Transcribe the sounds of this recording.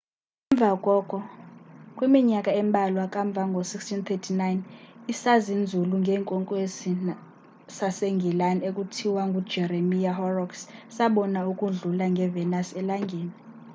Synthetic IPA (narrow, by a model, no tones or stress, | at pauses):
ɛɱb̪vʱakʼɔkʼɔ | kʼwimiɲakʼaɛmɓʱalwakʼaɱb̪vʱaŋɡʱosikstʰint̪ʰetʰinajnisazind͡zʱuluŋɡʱɛːŋkʼɔŋkʼwesi | saseŋɡʱilanekʼutʰiwaŋɡʱu̥d͡ʒʱɛɾemijahɔrɔkssaɓɔnaukʼuɮulaŋɡʱɛvɛnasɛlaŋɡʱeːni